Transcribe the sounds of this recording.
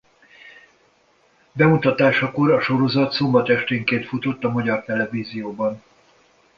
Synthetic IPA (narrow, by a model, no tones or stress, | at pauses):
bɛmut̪ɒt̪aːʃɒko̞ɾɒʃo̞ɾo̞zɒt̪so̞mbɒt̪ɛʃt̪eːŋkeːnt̪fut̪o̞t̪ːɒmɒɟɒrt̪ɛlɛviːzijoːbɒn